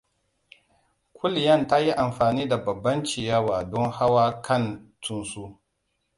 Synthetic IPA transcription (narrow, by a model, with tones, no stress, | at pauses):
kʷʊ˦ljɐ˦˨nta˦ji˦ʔa˨mɸaː˨niː˦da˨bɐ˨bːɐ˦nt͡ʃi˨jaː˦waː˨dɔ˦ŋha˦waː˦kʰɐ˦˨ntʊ˦nsuː˦